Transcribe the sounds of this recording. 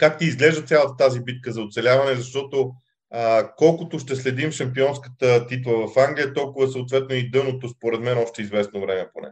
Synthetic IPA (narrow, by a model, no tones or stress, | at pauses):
kakt̪iːzɡlɛʒd̪ət̪sʲjalˠət̪ət̪azibit̪̚kəzɐot̪sɛlʲavɐnɛzɐʃt̪ɔt̪o | əkɔlˠkʊt̪oʊʃt̪ɛslɛd̪imʃɐmpiɔnskə̥t̪ət̪it̪̬lˠəvɐfaŋɡlʲijət̪ɔlˠkʊvəsəot̪vɛt̪noid̪ɤnot̪ospoɾɛd̪mɛnɔʃt̪ɛizvɛsnovɾɛmɛponɛ̰